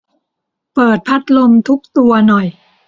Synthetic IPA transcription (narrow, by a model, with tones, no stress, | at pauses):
pɤː˨˩t̪̚pʰa˦˥t̪̚lo˧mt̪ʰu˦˥k̚t̪u˧ɐnɔ˨˩j